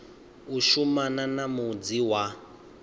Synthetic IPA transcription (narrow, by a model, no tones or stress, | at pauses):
uʃumananamud͡ziwa